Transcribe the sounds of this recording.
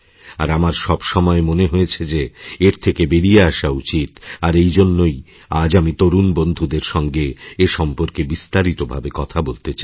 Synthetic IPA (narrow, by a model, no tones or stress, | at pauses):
aɾamaɾʃɔbʃɔmɔemoneɦojet͡ɕʰed͡ʑeeɾt̪ʰekebeɾijeaʃaut͡ɕit̪aɾejd͡ʑonːoj | ad͡ʑamit̪oɾunbond̪ʱud̪eɾʃɔŋɡeeʃɔmpoɾkebist̪aɾit̪obʱabekɔt̪ʰabolt̪et͡ɕa